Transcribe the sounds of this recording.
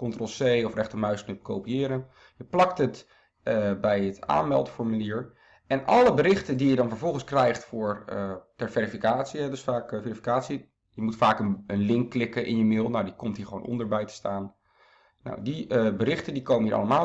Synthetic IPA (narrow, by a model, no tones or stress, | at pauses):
kɔntrɔlˠsejɔfrɛχtəɹmœɥsknɵpkowpiɪːɾən | jəplɑktɦət | bɛjəta̰ːnmɛ̰lˠdəfɔɹmyliːɹ | ɛnʔɑləbəɾɪχtəndijədɑnvəɹvɔlˠχənskrɛjχtfʊːɹətɛɹvɛɾifikaːtsiɦɛdɵsfaːkfɛɹifi̥kaːtsi | jəmutfaːkənənlɪŋkːlɪkəʔɪ̰njəmɪːlˠnawdikɔmtɦiːɹχəʋo̰wnʔɔ̰ndəɹbɛjtə̥staːn | na̰wdibəɾɪχtəndikowmənɦiːɹʔɑ̰ləmaː